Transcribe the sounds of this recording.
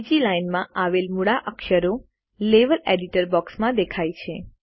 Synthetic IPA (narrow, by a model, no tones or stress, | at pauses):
d͡ʒilajnmãaʋelmuɽaʔəkʃəɾo | leʋəleɖiʈəɾbɔksmãd̪ekʰajt͡ʃʰe